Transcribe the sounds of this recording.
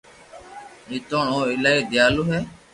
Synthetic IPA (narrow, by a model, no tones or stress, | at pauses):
ɪt̪õːɳõːɪlaːiːd̪ɪjaːluːɦeː